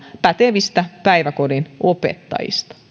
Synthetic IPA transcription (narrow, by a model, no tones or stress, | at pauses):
pæt̪eʋist̪æpæijʋækodinopḛt̪ːɑ̰jḭst̪ɑ̥